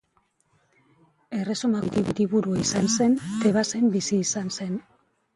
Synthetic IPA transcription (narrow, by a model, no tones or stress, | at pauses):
e̞re̞somat̪iβiɾiβuɾuaisanse̞nt̪e̞βase̞mbisiːsanse̞n